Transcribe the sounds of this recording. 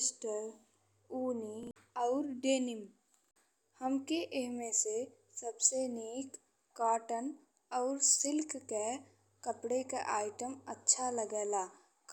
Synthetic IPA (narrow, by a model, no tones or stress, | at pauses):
sʈəɾ | uːni | ɔːɾɖeːnɪm | həmkeʔɪɦmẽse | səbseneːkː | aːʈən | ɔːɾsɪlkːe | kəpɽeka̰ʔaːɪʈəmətːʃʰaləɡɛːlaː | k